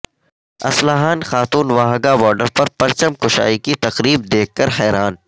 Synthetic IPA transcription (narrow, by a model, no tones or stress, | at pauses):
ɐ̰slaɦaːnxaːt̪uːnʋaːɦɡabɔːɾɖəɾpɐɾpɐɾt͡ʃəmkʊʃa̰ːikit̪ɐqɾiːb̚d̪eːkʰːɐɾɦɛːɾaːn